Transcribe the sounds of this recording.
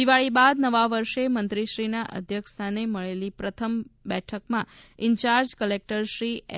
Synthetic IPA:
iʋaɭibad̪nəʋaʋəɾʃemə̃nt̪ɾiʃɾinaʔə̰d̪ʱjəkʰt̪ʰaneməɭelipɾət̪ʰəmbɛʈʰəkmãɪɲt͡ʃaɾd͡ʒkəlek̚ʈəɾʃɾi

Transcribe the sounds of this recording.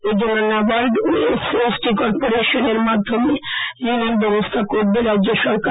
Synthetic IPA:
ed͡ʑonːonawaɾɖuesesʈikɔɾpoɾeʃoneɾmad̪ʱːomeɾinond̪ɔbost̪ʰakoɾbeɾad̪d͡ʑeɾʃɔɾk

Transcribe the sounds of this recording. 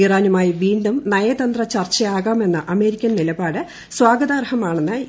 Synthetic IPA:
iraːnumaːjiʋiːɳɖumnɐjɐt̪ɐnd̪rɐt͡ɕɐrt͡ɕːɐjaːɣaːme̞nːɐʔɐme̞ːɾikʲːɐnnilɐbaːɽɨ | swaːɡɐðaːrhɐmaːɳenːɨ

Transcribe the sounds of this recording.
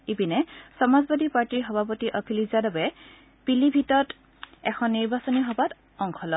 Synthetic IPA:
ibinɛsɔmazbad̪ʱipaɹtiɹɦɔbʱapɔtiʔɔkʰilizadɔbɛ | pilibʱitɔt | ɛ̰kʰɔnːiɹbasɔniɦɔbat | ɔŋkʰɔlɔ

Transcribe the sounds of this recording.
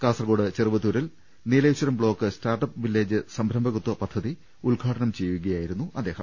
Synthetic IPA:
kaːsɐrɡoːɽɨt͡ɕerɨʋɐt̪ːuɾil | neːlɐjɕwɐɾɐmbɭo̞ːkːɨstaːrʈɐpʋilːeːd͡ʑɨsɐmbʱɾɐmbʱɐɣut̪wɐpɐd̪ʱːɐði | uɭɡʱaːʈɐɳɐmt͡ɕe̞jːuɣɐjaːjiɾunːuʔɐd̪ːe̞ːhɐ̰m

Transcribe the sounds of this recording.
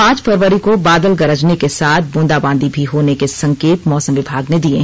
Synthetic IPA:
pãːt͡ʃfʰɐɾʋəɾikobaːd̪əlɡɐɾəd͡ʒnekesaːt̪̚ʰbõːnd̪abãːnd̪ibʱiɦoːnekesɐ̃ŋkeːt̪mɔːsə̃mʋɪbʱaːɡned̪iẽ

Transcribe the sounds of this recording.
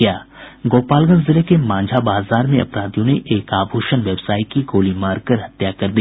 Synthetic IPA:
jaː | ɡoːpaːlɡə̃nzɪlekemãːd͡ʒʱabaːzaːɾmẽɐ̰pɾaːd̪ijõneʔeːkaːbʱuːʃənʋɐʋsaːikiɡoːlimaːɾɡ̚kɐɾɦɐt̪jakɐɾd̪i

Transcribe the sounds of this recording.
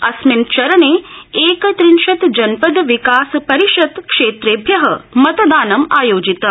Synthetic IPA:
ɐsmint͡ʃɐɾɐneːeːkɐt̪ɾinʃɐt̪d͡ʒɐnpɐd̪ʋikaːspɐɾiʃɐt̪kʂeːt̪ɾeːbʱjɐɦɐ̰mɐt̪ɐd̪aːnɐmaːjoːd͡ʒit̪ɐ

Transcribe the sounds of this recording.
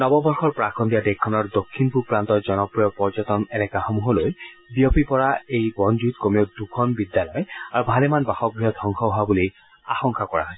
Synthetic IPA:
nɔbɔbɔɹxɔɹpɹakʰɔndijadɛkʰːɔnɔɹdokʰːinpupɹant̪ɔɹzɔnɔpɹijɔpɔɹzɔtɔnɛnɛkaxɔmuɦɔloj | biopipɔɹaejbɔnzuitkomiodukʰɔnbidjalɔjaɹubʱalɛmanbaxɔk̚bɹiɔd̪ʱɔŋxɔɦabuli | a̰xɔŋkakɔɹa̰ɦɔj

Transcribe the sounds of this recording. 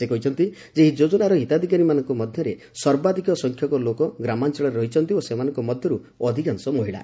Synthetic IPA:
sekɔɦit͡ʃʰɔnt̪i | d͡ʒeɦid͡ʒod͡ʒɔnaɾɔɦit̪ad̪ʱikaɾimanɔŋkɔmɔd̪ʱjɔɾe | sɔɾbad̪ʱikɔsɔŋkʰjɔkɔlokɔɡɾamant͡ʃɔɭɔɾeɾɔɦit͡ʃʰɔnt̪iosemanɔŋkɔmɔd̪ʱjɔɾu | ɔd̪ʱikansɔmɔɦiɭa̰

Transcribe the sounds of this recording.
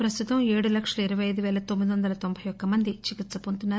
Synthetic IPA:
pɾɐst̪ut̪ɐmeːɽulɐkʂɐluiɾɐʋɐjɐjd̪uʋɛːlɐt̪omːid̪iʋɐnd̪ɐlɐt̪o̞mbʱɐjɔkːɐmɐnd̪it͡ʃikit̪sɐpont̪unːaː

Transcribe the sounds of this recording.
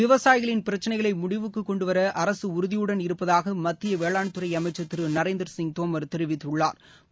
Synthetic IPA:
ɪʋɐsaːjɪɣɐɭɪnpɪɾɐt͡ʃːɐnɐɪɣɐɭɐɪmʊɽɪʋɯkːɯkːɔɳɖɯʋɐɾɐʔɐɾɐsɯʊɾɯðɪjɯɽɐnɪɾɯpːɐðaːɣɐmɐt̪ːɪjɐʋeːɭaːɳt̪ːɯɾɐɪɐmɐɪt͡ʃːɐt̪ːɪɾɯnɐɾɐeːnd̪ɐɾsɪŋt̪oːmɐɾt̪ɛɾɪʋɪt̪ːɯɭːa̰ːɾ

